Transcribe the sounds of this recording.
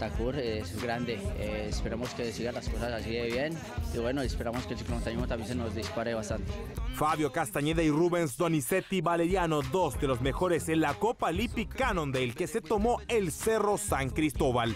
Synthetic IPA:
t̪akuɾesɡɾand̪eeespeɾamoskesiɣalasko̞sasasiɣeβjen | iβwe̞noespeɾamoskelsiklomont̪animot̪amjensenozd̪ispaɾeβast̪ant̪e̥faβjo̞kast̪aɲeðairuβe̞nsd̪o̞nise̞t̪iβale̞ɾjano̞ðo̞zd̪e̞lo̞zme̞xo̞ɾe̞senlako̞palipikanõ̞nd̪elke̞se̞t̪o̞mo̞else̞ro̞saŋkɾist̪o̞βal

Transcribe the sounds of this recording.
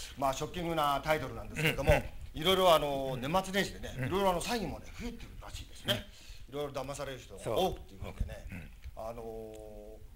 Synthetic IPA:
maːɕo̞kʲːĩŋɡɯnat̪ait̪o̞ɾɯnãnd̪e̞sɨ̥keɾed̪o̞mo̞iɾo̞iɾo̞ano̞ne̞mat͡sɨɾẽɕid̪e̞ne̞iɾo̞iɾo̞ano̞saiɡʲĩmːone̞ɸɯ̟et̪ːeɾɯ̟ɾaɕiːd̪e̞sɨne | iɾo̞iɾo̞d̪amasaɾe̞ɾɯ̟çt̪oɡaoːkɯ̟̥t̪ːe̞iɯ̟kot̪od̪e̞̰ne̞ano̞

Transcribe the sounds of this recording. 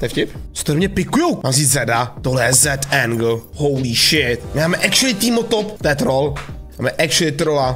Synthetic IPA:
t̪ɛfcɪpt͡so̥t̪oɾmɲɛpɪkujowmaːmziːzɛdat̪oɦlɛjɛzɛt̪ɛŋɡl̩howliʃɪt̪mɪmaːmɛʔɛkʃɪlɪt̪iːmot̪opt̪ɛːt̪ɾolmaːmɛʔɛkʃɪlɪt̪ɾola

